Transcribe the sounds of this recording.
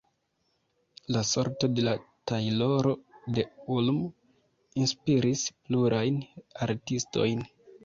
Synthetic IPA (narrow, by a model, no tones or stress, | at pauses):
laso̞ɾto̞de̞latajlo̞ɾo̞de̞ulm | inspiɾispluɾʔajnaɾtisto̞̰jn